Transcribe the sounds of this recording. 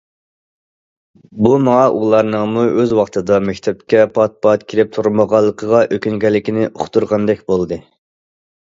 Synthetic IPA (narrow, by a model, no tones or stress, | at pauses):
bumɑŋɑʔulˠɑɾnəŋmuʔøzwɑχt̪ʰɨd̪ɑmɛkʲt̪ʰɛp̚kʲɛpʰɑt̪̚pɑt̪kʲʰiɾɪp̚t̪ʰuɾməʁɑlˠːəqʰəʁɑʔøkʲynɡʲɛlːɪkʲinɪʔoχt̪ʰuɾʁɑnd̪ɛkʲbolˠɨd̪ɨ